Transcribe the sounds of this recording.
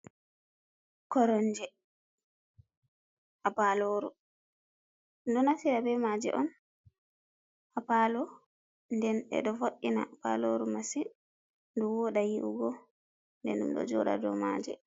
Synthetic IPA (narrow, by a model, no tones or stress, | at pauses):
kɔɾɔnd͡ʒɛ | ʔapaloɾu | ɗɔnatiɾabɛmad͡ʒɛ̰ʔɔn | ʔapalɔ | ndɛnɛ̰ɗɔfoʔːina̰ba̰loɾumasi | nduwɔɗajiʔuɡɔ | ndɛ̰nɗṵmɗɔ̰d͡ʒɔ̰ɗa̰dɔ̰ma̰d͡ʒɛ̰